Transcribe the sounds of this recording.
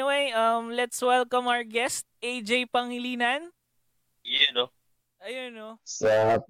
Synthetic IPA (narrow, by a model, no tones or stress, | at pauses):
iwejʔɐmlɛt̪swɛlkɐ̃mawəɹɡɛst̪̚ejd͡ʒejpɐŋɪliːnɐn | jɛno | ʔɐjonosɐ